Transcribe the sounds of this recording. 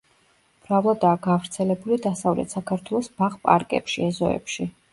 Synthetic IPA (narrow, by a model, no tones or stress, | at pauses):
m̥ɾavlˠɔd̪aːɡavɾt̪sʰɛlɛbulid̪asavlɛ̰t̪sakʰaɾt̪ʰwɛlˠɔsbaʁpʼa̰ɾkʼɛ̰pʃiɛzɔɛ̰pʃi